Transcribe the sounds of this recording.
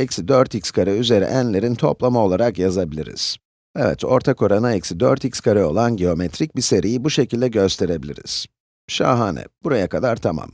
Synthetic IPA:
ɛcsid̪øɾt̪icskʰaɾɯyze̞ɾḭʔænlʲe̞ɾint̪ʰo̞̰plˠamao̞lˠaɾakjazabilʲḭɾḭz̥ | ɛvɛ̰t̪o̞̰ɾt̪ʰako̞ɾanaɛcsid̪ø̰ɾt̪icʲskʰaɾɯo̞lˠanɟeo̞met̪ʰɾic̚bise̞ɾijibuʃe̞cilʲd̪ɛɟø̞st̪ʰe̞ɾe̞bilʲḭɾḭz̥ | ʃa̰ːɦaːnɛ̰b̥uɾajakʰad̪aɾt̪ʰama̰m

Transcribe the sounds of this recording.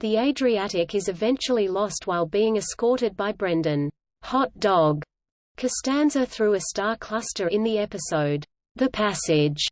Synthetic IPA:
ðieɪdɹiæɾɪkɨzɨvɛ̃nt͡ʃl̩ˠilɔst̚waɪlˠbiɪ̃ŋɨskɔɹɾɨd̚baɪbɹɛ̃ndɨ̃n | hɑt̚d̥ɔɡ | kʰɨstæ̃nzəθɹʉɨstɑɹkʰl̥ʌstə˞ɨ̃nðiɛpɨsoʊd̪̚ | ðɨpʰæsɪʒ̥

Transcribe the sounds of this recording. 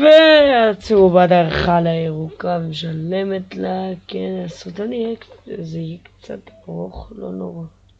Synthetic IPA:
veat͡seubad̪aʁχalaeʁukameʃalemetlakenasut̪anijɛkzeikt͡sa̰t̪aʁoχlo̰noʁa

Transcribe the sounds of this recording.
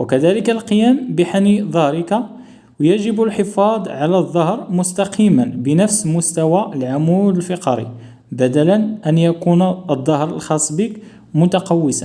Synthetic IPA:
wəkæd̪æləkælqəjæmbəħaniðˤɑɾəka | wjæʒəbəlħəfɑd̪ˤʕalæðˤːɑɦɾmʊst̪ɑqʰimənbənəfsmʊst̪æwalʕamuləlfɪqɑɾḭ | bæd̪ælænʔænjækunəd̪ˤːɑhɾˤəlxɑsˤbik | mʊt̪ɑqɑwːəsa̰

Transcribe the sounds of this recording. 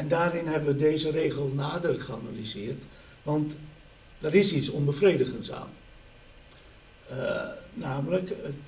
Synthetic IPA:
ɛndaːɾɪnɦɛbəʋədeːzəreːɣəlˠnaːdərχəana̰lizɪːrt | ʋɑnt | dərɪsisɔnbəfreːdəɣənsa̰ːn | naːmələkə

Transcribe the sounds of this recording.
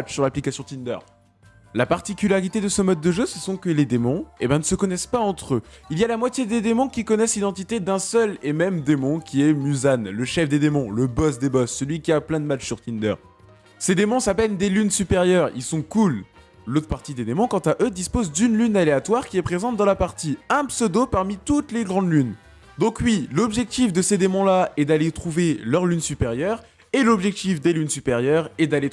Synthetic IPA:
t͡ʃsyʁlaplikasjɔ̃t̪ind̪œ̰ʁ | lapaʁt̪ikʲylaʁit̪ed̪əsəmɔd̪̚ːəʒøsəsɔ̃kəled̪emɔ̃ebɛ̃nəsəkɔnɛspaɑ̃t̪χøilialamwat̪jed̪ed̪emɔ̃kʲikɔnɛslid̪ɑ̃t̪it̪ed̪ɛ̃sœlemɛmd̪emɔ̃kʲiɛmyzanləʃɛfd̪ed̪emɔ̃ləbɔs̬d̪ebɔsːəlɥikʲiaplɛ̃d̪əmat͡ʃsyʁt̪ind̪œ̰ʁ | sed̪emɔ̃sapɛnd̪elynsypeʁjœʁḭlsɔ̃kul | lot̪χpaʁt̪id̪ed̪emɔ̃kɑ̃t̪aʔød̪ispozd̪ynlynaleat̪waʁkʲiɛpχezɑ̃t̪̚d̪ɑ̃lapaʁt̪iɛ̃psød̪opaʁmit̪ut̪leɡʁɑ̃d̪lyn | d̪ɔ̃kɥilɔbʒɛk̚t̪ifd̪əsed̪emɔ̃laɛd̪alet̪χuvelœʁlynsypeʁjœʁ | elɔbʒɛk̚t̪ifd̪elynsypeʁjœʁɛd̪ale

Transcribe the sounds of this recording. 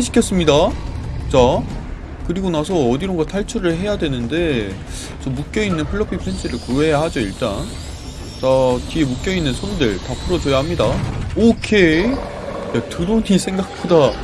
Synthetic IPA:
eɕʰi̥kʰes͈ɯmɲidat͡ɕa | kɯɾiɡonasʰʌʌdiɾoŋɡatʰaɭt͡ɕʰuɾɯɭɦe̞jadwe̞nɯnde̞ | t͡ɕʌmuk͈jʌinːɯnpʰɯɭːʌpʰipʰe̞nt͡ɕʰɯɾɯɭkuɦe̞jaɦad͡ʑoiɭt͈a̰n | t͡ɕatiemuk͈jʌinːɯnsʰonudɯɭtapʰɯɾʌd͡ʑojaɦamɲidaokʰe | jatɯɾoɲisʰe̞ŋɡak̚p͈oda

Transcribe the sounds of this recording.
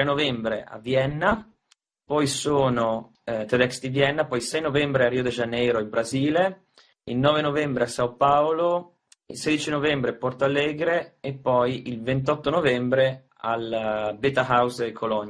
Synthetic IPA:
t̪ɾenovɛmbɾḛʔa̰vjɛnːa | pɔjsoːno | t̪ed̪ɛkst̪ivjɛnːapɔjilsɛjnovɛmbɾearːiod̪ed͡ʒanːɛːɾoilbɾaziːle | ilnɔːvenovɛmbɾeasaopaolo | ḭlseːd̪it͡ʃinovɛmbɾepɔrt̪oalːɛːɡɾeːpːɔjilvent̪̬ɔt̪ːonovɛmbɾe | albet̪aɦawsekʰolɔɲ

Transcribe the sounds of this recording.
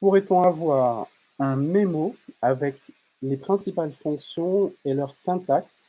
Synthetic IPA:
puʁɛt̪ɔ̃avwaːʁ | ɛ̃memoavɛk | lepχɛ̃sipalfɔ̃ksjɔ̃elœʁsɛ̃t̪aks

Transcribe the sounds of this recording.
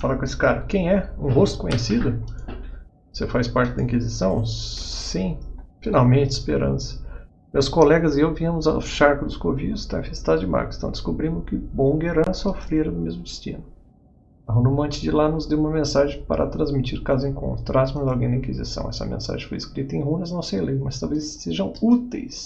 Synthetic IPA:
falaɾkõesɪ̥kaɾɐkẽj̃ɛũɦost̪ʊ̥kõɲesid̪ʊ | osefajspaɾt͡ʃɪd̪ɐĩŋkizisɐ̃w̃sĩfinawmẽt͡ʃɪspeɾɐ̰̃sɐ̥ | mewskolɛɡɐzɪewviɐ̃mʊza̰ʃaɾkʊd̪ʊskoviʊst̪aĩfest̪ad̪ʊd͡ʒɪma̰ɾkɪ̥st̪ɐ̃w̃d̪ɪ̥skubɾĩnd̪ʊkɪbõɡeɾɐ̃sofɾeɾɐd̪ʊmezmʊɪst͡ʃḭ̃nʊ | ɐɦũnumɐ̃t͡ʃɪd͡ʒɪlanʊzd̪ewũmɐmẽsaʒẽj̃pa̰ɾʔɐ̰t̪ɾɐ̃zmit͡ʃiɾkazẽj̃kõ̰t̪ɾasmɐzawɡẽj̃d̪ɐĩkizḭsɐ̰̃w̃ɛsɐ̰mḛ̃sa̰ʒẽfo̰jiskɾit̪ɐẽj̃ɦũnɐznɐ̃w̃sejlejmɐst̪awvezːeʒɐ̃w̃ut̪ḛjs

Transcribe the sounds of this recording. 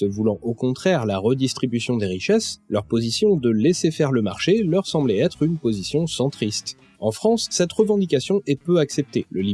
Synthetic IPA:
səvulɑ̃ʔokɔ̃t̪χɛʁlaʁəd̪ist̪χibysjɔ̃d̪eʁiʃɛslœʁpozisjɔ̃d̪əlɛsefɛʁləmaʁʃelœʁsɑ̃blɛɛt̪χynpozisjɔ̃sɑ̃t̪χist̪ | ɑ̃fχɑ̃sːɛt̪ʁəvɑ̃d̪ikasjɔ̃ʔɛpøaksɛp̚t̪eləli

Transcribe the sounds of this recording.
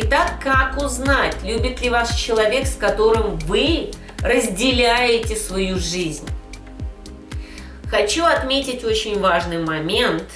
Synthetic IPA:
ɪt̪akːakʊznatʲlʲubʲɪt̪lʲɪvast͡ɕɪlˠɐvʲe̞kskɐt̪o̞ɾɨmvɨ | rəzʲdʲɪlʲæjɪtʲɪsvɐjuʐɨzʲnʲ | xɐt͡ɕuɐt̪mʲetʲɪtʲo̞t͡ɕɪnʲvaʐnɨjmɐmʲe̞nt̪

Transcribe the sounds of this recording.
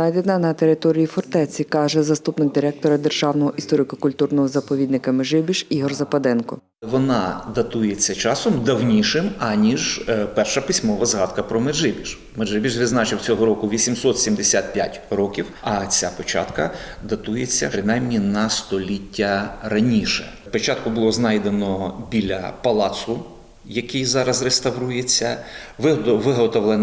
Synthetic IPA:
nɑjd̪enɐnɐt̪e̞ɾɪt̪ɔɾʲijifɔrt̪ɛt͡sʲikɑʒɛzɐst̪upnɪɡ̚d̪ʲiɾɛk̚t̪ɔɾɐd̪e̞rʒɑwnɔɦɔʔist̪ɔɾɪkʊkʊlʲt̪urnɔɦɔzɐpɔʋʲid̪nɪkɐmɪʒɪbʲiʃiɦɔrzɐpɐd̪ɛnkɔ | ʋɔnɑ̰d̪ɐt̪ujet͡sʲːɐt͡ʃɑsɔmd̪ɐwnʲiʃɪmɐnʲiʒpɛrʃɐpʲisʲmɔʋɐzɦɑd̪kɐpɾɔmɪʒɪbʲiʃ | meʒɪbʲiʒʋɪdznɑt͡ʃɪwt͡sʲɔɦɔɾɔkʊʋʲisʲimsɔt̪sʲimd̪esʲat̪̚pʲja̰tʲɾɔkʲiwɐt͡sʲapɔt͡ʃɑ̰t̪kɐd̪ɐt̪ujet͡sʲːɐ̰pɾɪnɑjmnʲinɐst̪ɔlʲitʲːɐɾɐnʲiʃɛ̰ | pɔt͡ʃɑt̪̚kʊbʊlˠɔznɑjd̪enɔbʲilʲɐ̰pɐlˠɑsʊ | jɐkijzɑɾɐzrest̪ɐwɾujet͡sʲːɐʋɪʋɪɦɔt̪ɔʋlˠen

